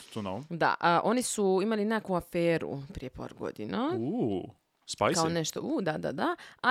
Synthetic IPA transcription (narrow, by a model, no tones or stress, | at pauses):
t̪onowd̪a̰ʔəʔo̞nisuimalinekuafeːɾṵpɾijepa̰ːɾɡo̞̰d̪inau | spajkaoneʃt̪oud̪ad̪a̰d̪aa